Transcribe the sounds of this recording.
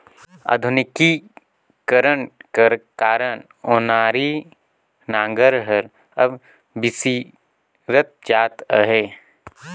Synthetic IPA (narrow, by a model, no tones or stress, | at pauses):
ə̰d̪ʱʊnɪki | kəɾəɳkeɾkaːɾəɳ | oːnaːɾi | nãːŋɡəɾɦəɾ | ɐb | bɪsi | ɾət̪̚d͡ʒaːt̪əɦeː